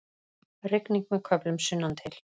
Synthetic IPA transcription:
rɪkniŋk̚mɛðkʰœplʏmsʏnːant̪ʰɪl̥

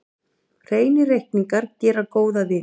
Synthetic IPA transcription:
r̥eːjnɪɾejhkniŋkaɾ̥cɛːɾakoːwðavɪ

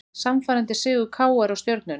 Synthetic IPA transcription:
samfaːɾant̪ɪsɪːɣʏkʰaːwaɾawst̪jœɾt̪nʏn

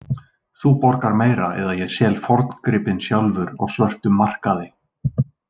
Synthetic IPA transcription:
θupɔɾ̥kaɾmeːjɾaɛ̰ðajɛsjɛːlfɔɾt̪nkɾɪːpɪnsjawlvʏɾɔ̰ɣsvœr̥t̪ʏmːar̥kaðɪ

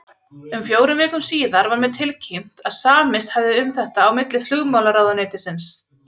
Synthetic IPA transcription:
ʏmfjoːwɾʏmvɛːkʏmsiːðaɾvaɾmɛðt̪ʰɪlcʰim̥t̪aðsaːmɪst̪havðɪʏmθɛht̪aːwmɪt̪lɪflʏɣmawlaɾaːwðanɛːt̪ɪsɪns

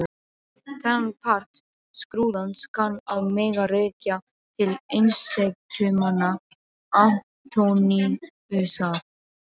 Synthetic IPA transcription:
θɛnpʰar̥t̪ | skɾuːðanskʰanːaðmeːɣareːca | t̪ʰɪlejnsejkt̪ʰʏːmana | an | t̪ʰowni | ʏːsaɾ̥

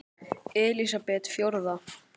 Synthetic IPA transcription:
ɛːlisapɛt̪fjowɾða

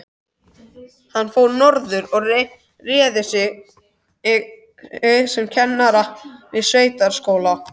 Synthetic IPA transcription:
hanːfoːwnɔɾðʏɾɔɣ | rɛːðɪsɪ | sʏmcʰɛnːaɾavɪðsveːjt̪aɾ̥skoːwla

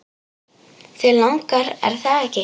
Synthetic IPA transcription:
θɛlawŋkaɾɛ̰ɾ̥θaðɛhcɪ

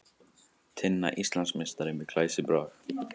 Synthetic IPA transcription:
t̪ʰɪnːa̰ʔist̪lansmɛst̪aɾɪnvɪkʰlajsɪbɾaːɣ

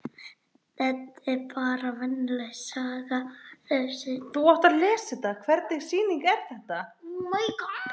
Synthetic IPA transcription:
θɛt̪ɛɾpʰaːɾavɛnːlɛsaːɣaœsɪθuɔht̪alɛːsɪt̪aðkʰvɛɾt̪niɣ̥siːniŋkɛɾ̥θɛht̪amajkɔt̪

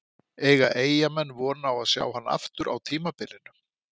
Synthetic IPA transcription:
ɛːɣaʔeːjamɛnːvɔːnawaðsja̰ːwɦanːa̰ft̪ʏɾʔa̰wt̪ʰiːmapɪlɪnʏ

